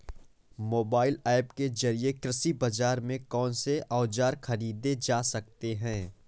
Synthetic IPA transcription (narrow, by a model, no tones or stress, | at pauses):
moːbaːɪlɛːpkezɐɾiekɾɪsibɐd͡ʒaːɾmẽkɔːnseʔaːd͡ʒaːɾxɐɾiːd̪ed͡ʒaːsɐk̚t̪eɦɛ̃ː